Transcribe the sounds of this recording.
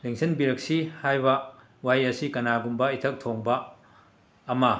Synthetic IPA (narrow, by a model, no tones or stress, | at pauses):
leŋsʰɐnbiɾɐk̚sihajbɐ | wajɐsikɐnaɡumbɐitʰɐk̚tʰoŋbɐː | mɐ